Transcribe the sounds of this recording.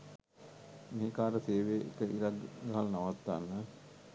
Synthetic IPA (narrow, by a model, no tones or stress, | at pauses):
miɦikaːɾəseːʋeːḛkəiɾaɡ̪ɡaɦalnaʋat̪ːa̰nːə